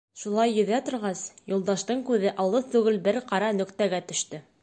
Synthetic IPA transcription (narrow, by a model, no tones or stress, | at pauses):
ʃulˠɑjːɵ̆ðæt̪ŏɾʁɑsjulˠd̪ɑʃt̪ɤɴkʉðɘʔɑlˠɤðt̪ʉɡɘlbɘɾqɑɾɑnɵ̆kt̪æɡæt̪ɵ̆ʃt̪ɵ